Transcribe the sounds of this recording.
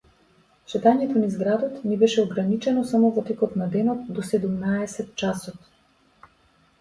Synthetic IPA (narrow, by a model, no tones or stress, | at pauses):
ʃɛt̪aɲɛt̪ɔnizɡɾad̪ɔt̪nɛbɛʃɛɔɡɾanit͡ʃɛnɔsamɔvɔt̪ɛkɔt̪nad̪ɛnɔt̪̚d̪ɔsɛd̪umnaɛsɛt̪t͡ʃasɔt̪